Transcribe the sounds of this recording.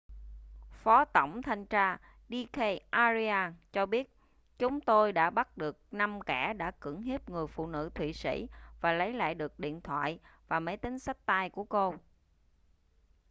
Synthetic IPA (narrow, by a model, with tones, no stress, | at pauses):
fɔ˨˦t̪ə˧˩wŋ͡mt̪ʰa˧jŋ̟t͡ɕaː˧ | ɗi˧kʰe˧ʔaː˧zi˧aː˧nt͡ɕɔ˧ɓi˦˥ət̚ | t͡ɕʊ˨˦ŋ͡mt̪o˧jɗa̰ː˧˥ɓa˦˥t̚ɗɨ˨˩ək̚na˧mkaː˧˩ɗa̰ː˧˥kɨ̰˧˩əŋɦi˦˥əp̚ŋɨ˨˩əjfṵ˧˨nɨ̰˧˥t̪ʰwḭ˧˨sḭ˧˥vaː˨˩lə˨˦jla̰ː˧˨jɗɨ˨˩ək̚ɗḭ˧˨ənt̪ʰwa̰ː˧˨jvaː˨˩mə˨˦jt̪ï˨˦ŋ̟sa˦˥jk̟̚t̪a˧jku˧˩əko˧